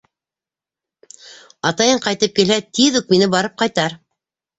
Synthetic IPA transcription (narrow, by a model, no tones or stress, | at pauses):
ɑt̪ɑjɤɴqɑjt̪ɤp̚kilhæt̪iðʉk̚minɘbɑɾɤp̚qɑjt̪ɑɾ